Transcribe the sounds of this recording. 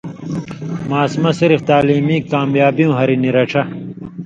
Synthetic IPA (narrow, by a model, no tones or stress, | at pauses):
maːsmɐsiɾift̪aːliːmiːkːaːmjaːbijũːɦɐɾiniɾɐʈ͡ʂʰɐ